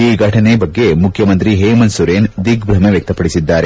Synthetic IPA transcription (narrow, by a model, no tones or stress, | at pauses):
iːɡʱɐʈʰɐnebɐɡːe̞mukʰːjɐmɐnt̪ɾiɦeːmɐnsuɾeːnd̪ikbɾɐmeʋjɐk̚t̪ɐpɐɽisid̪ːaːɾe